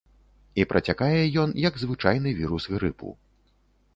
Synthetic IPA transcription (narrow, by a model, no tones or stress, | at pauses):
ipɾʔɐt͡sʲakajɛjɔnjɐɡzvɨt͡ʂajn̪ɨvʲiɾusɣɾɨpṵ